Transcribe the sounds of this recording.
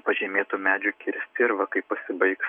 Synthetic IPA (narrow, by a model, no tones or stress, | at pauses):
pɐʒʲɛːmʲeːt̪uːmʲæːd͡ʒʲukʲɪɾʲsʲt̪ʲɪɪɾʋɐkɐɪppɐsʲɪbɐɪks